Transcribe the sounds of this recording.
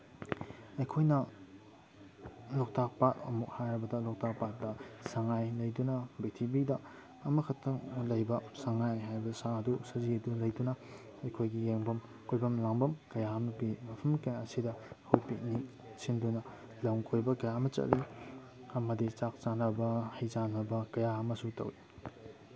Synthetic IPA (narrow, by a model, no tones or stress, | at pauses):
ɐjkʰojnɐ | lɔk̚tak̚patɐ̰muk̚hajɾɐbɐdɐlɔk̚tʰak̚pat̚dɐsaŋajlɐjdunɐbitʰibidɐː | mɐkʰɐtʰɐŋlɐjbɐsaŋajɦajbɐsaɐdusɐziɐdulɐjdunɐ | ɐjkʰojɡijeŋbɐm | kʰojbɐmlaŋbɐmkɐjahɐmɐpimɐpʰɐmkɐjaɐsidɐhojpik̚ni | sindunɐ | lɐwŋkʰojbɐkɐjamɐt͡ʃɐ̰tlːi | ɐmɐdit͡ʃak̚t͡ʃanɐbɐhɐjzanɐbɐkɐjaɐmɐsutɐ̰wi